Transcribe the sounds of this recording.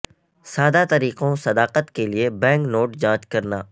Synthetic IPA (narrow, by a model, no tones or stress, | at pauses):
saːd̪at̪ɐɾiːqõsɐd̪aːqət̪keliebɛ̃ːŋknoːʈd͡ʒãːt͡ʃkɐɾnaː